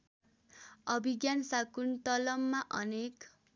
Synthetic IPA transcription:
ʌbʱiɡjansakunt̪ʌlʌmːaʔʌnek

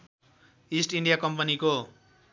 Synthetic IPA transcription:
isʈiɳɖijakʌmpʌniko

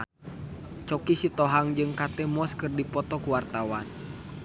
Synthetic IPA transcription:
t͡ʃɔkisit̪ɔɦaŋd͡ʒɨŋkat̪ɛmɔskɨrdipɔt̪ɔkuwart̪awan

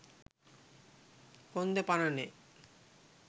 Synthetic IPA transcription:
kond̪epanane

